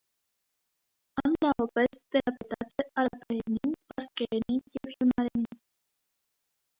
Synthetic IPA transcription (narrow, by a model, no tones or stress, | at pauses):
ɑnnɑvɑpɛst̪ɛɾɑpɛt̪ɑt͡sɛʔɑɾɑpʰɛɾɛninpɑɾskɛɾɛninjɛvhjunɑɾɛnin